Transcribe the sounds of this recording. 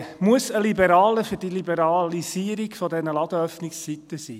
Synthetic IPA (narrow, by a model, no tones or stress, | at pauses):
muəsəlibɛɾɑːləfyɾd̥ilibɛɾɑlisiːəɾiɡfɔdɛnəlɑd̪əœfnɪksːit̪əsḭː